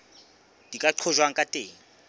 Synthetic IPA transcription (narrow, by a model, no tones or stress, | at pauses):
d̥ikʼaǃʰɔʒwaŋ̩kʼatʼeːŋ̩